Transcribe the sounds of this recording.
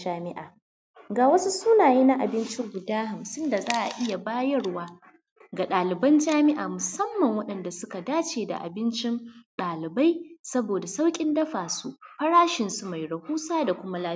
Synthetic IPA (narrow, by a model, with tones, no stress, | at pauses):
aː˦mɪ˦ʔa̰ː˨ | ɡaː˨wɐ˦su˦suː˦naː˨jiː˦na˦ʔa˨bɪ˦nt͡ʃɪ˦ŋɡʷʊ˨daː˦ha˨msɪ˦nda˨zaː˦ʔa̰˨ʔɪ˦ja˨baː˦jɐ˦ɽwaː˦ | ɡa˨ɗaː˨lɪ˨bɐ˦nd͡ʒaː˦mɪ˦ʔaː˨mʊ˨sɐ˦mːɐ˨ŋwɐ˦ɗɐ˨nda˨sʊ˦ka˨daː˦t͡ʃeː˨da̰˨ʔa̰˨bɪ˦nt͡ʃɪ˦nɗaː˨lɪ˨ba˦jsɐ˦boː˨da˨sa˦wkʲʼɪ˦ndɐ˦ɸaː˨su˦ɸɐ˦ɽaː˦ʃɪ˨nsu˦ma˨jɽɐ˨huː˦saː˦da˨kʷʊ˦ma˦laː˦